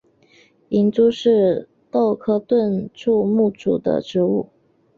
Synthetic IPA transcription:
i˧˥nt͡su˥ʂɻ̩˥˧ | t̪o˥˧ʊkʰɤ˥t̪wə˥˧nʈ͡ʂʰu˥˧mu˥˩ʈ͡ʂṵ˨˩d̪ə̰˦ʈ͡ʂɻ̩˧˥u˥˩

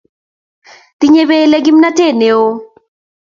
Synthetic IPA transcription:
t̪i˦ɲe˦βe˦lɛ˦ɡi˦mna˦te˦˨ne˨o˦

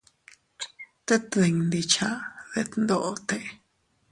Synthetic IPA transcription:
t̪e˦t̪d̪e˨˧ɲnd̪i˧t͡ʃa˧˨ð̥e˧t̪nd̪o˨t̪e˧

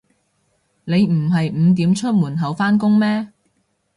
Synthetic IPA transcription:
ne˨˧jm̩˨˩ɦɐ˨jm̩˨˧t̪̬iː˨˥mt͡ʃʰɵ˥t̚muː˨˩nɦɐ˨˥wfaː˥nkʊ˥ŋmɛː˥

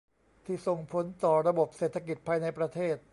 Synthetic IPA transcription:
t̪ʰiː˥˩so˨˩ŋpʰo˨˦nt̪ɔː˨˩ɾa˧bo˨˩p̚seː˨˩t̪ʰːa˧k̬i˨˩t̪̚pʰaː˧jna˧jpɾa˧t̪ʰeː˥˩t̪̚

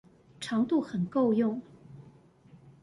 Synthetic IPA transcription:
ʈ͡ʂʰɑ˧˥ŋt̪u˥˩xə˨˩nko˥˧ʊjʊ˥˩ŋ

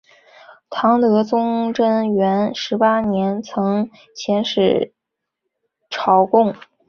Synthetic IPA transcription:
t̪ʰɑ˧˥ŋt̪ɤ˧˥t͡sʊ˥ŋʈ͡ʂə˥nɥɛ˧˥nʂɻ̩˧˥pa˥njɛ˧˥nt͡sʰɤ˧˥ŋ | t͡ɕʰjɛ˧˥nʂɻ̩˨˩ | ʈ͡ʂʰɑ˧˥ʊkʊ˥˩ŋ

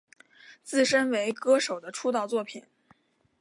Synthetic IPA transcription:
t͡sɹ̩˥˩ʂə˥nwe˧˥ɪkɤ˥ʂo˨˩ʊd̪ə˦ʈ͡ʂʰu˥t̪ɑ˥˧ʊt͡swɔ˥˩pʰi˨˩˦n

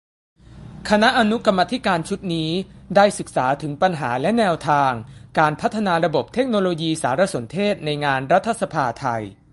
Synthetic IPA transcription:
kʰa˧na˦˥ʔa˧nu˦˥ka˧mːa˧˥t̪ʰi˦˥kaː˧nt͡ɕʰu˦˥t̪̚niː˦˥daː˥˩jsɯ˨˩k̚sa̰ː˩˦t̪ʰɯ˩˦ŋpa˧nɦaː˩˦lɛ˦˥nɛː˧wt̪ʰaː˧ŋkaː˧npʰa˦˥t̪ʰːa˧naː˧ɾa˧bo˨˩p̚t̪ʰe˦˥k̚noː˧loː˧jiː˧saː˩˦ɾa˧so˩˦nt̪ʰeː˥˩t̪̚na˧jŋaː˧nɾa˦˥t̪ʰːa˧sa˧pʰaː˧t̪ʰa˧j

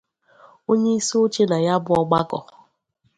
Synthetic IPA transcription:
o˦ɲe˦i˦so˦t͡ʃe˦na˨ja˦bʊ˦ɔ˦ɡ͡ba˦kɔ˨

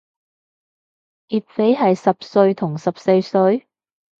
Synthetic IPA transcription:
iː˨t̚fe˨˥jɦɐ˨jsɐ˨p̚sɵ˧ɥt̪ʰʊ˨˩ŋsɐ˨p̚se˧jsɵ˧ɥ

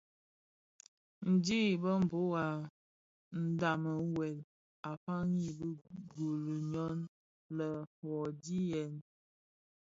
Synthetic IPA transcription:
n̩˨di˦i˨bə˦m̩˨bo˦ɣa˨ | n̩˦da˨mə˨wɛ˨l | a˨fa˦ŋi˦˨bə˦ɡu˨lə˨ɲɔ˦n | lə˨fɔ˨di˦jɛ˨n

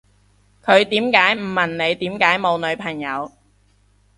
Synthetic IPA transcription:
kʰɵ˨˧ɥt̪iː˨˥mkaː˨˥jm̩˨˩mːɐ˨˩nne˨˧jt̪iː˨˥mkaː˨˥jmo˨˧wnɵ˨˧ɥpʰɐ˨˩ŋjɐ˨˧w

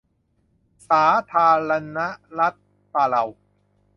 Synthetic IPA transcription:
saː˩˦t̪ʰaː˧ɾa˧na˦˥ʔɾa˦˥t̪̚ | paː˧la˧w

